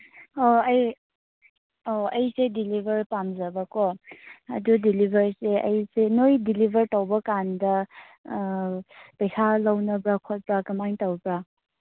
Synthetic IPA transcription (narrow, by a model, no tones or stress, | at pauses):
oɐj | oɐjsedilibʱɐɾpamzabakɔɐ̰dudilibʱɐɾseɐjsenojdilibʱəɾtawbɐkandɐ | pɐjkʰalawnɐbɾakʰɔt̚bɾakɐmaŋtawbɾa